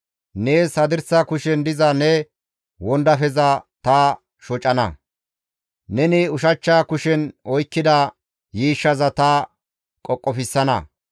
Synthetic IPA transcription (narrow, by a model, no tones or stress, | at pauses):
neːsɐd̪ɪɾsɐkʊʃɛnd̪ɪzɐnɛ | wɔnd̪ɐfɛzɐt̪ɐ | ʃɔt͡ʃʼɐnɐ̰ | nɛnɪʊʃɐt͡ʃːaːkʊʃɛnɔjkːɪd̪ɐ | jiːʃːɐzɐt̪ɐ | kʼɔkʼːɔfɪsːɐnɐ̰